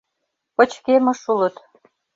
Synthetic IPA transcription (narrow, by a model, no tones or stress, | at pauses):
pə̆t͡ɕkemɤ̆ʃulə̆t̪